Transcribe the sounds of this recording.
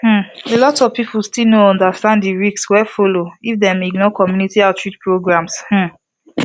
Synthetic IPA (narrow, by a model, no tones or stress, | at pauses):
hm̩elɔtɔvpipulstilnoɔ̃ndastãnddiɹikswɛfoloifdɛmiɡnɔkɔmjunitiatɹitpɹoɡɹãmsh̩